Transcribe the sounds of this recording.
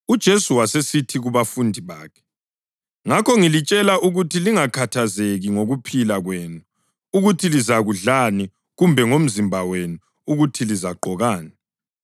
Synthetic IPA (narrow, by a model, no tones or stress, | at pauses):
ud̥ʒ̥ʱesuwasesitʰiɣuβafundʱiβa̰ːkʰɛ̥ | ŋakʰɔŋilit͡ʃʼɛlaʔuɣutʰiliŋakʰatʰazeɣiŋoɣupʰilaɣweːnu | uɣutʰilizaɣuɮani | ɣumbʱɛŋom̩zimbʱawenu | uɣutʰilizaɡ͡ǃʱɔɣaːni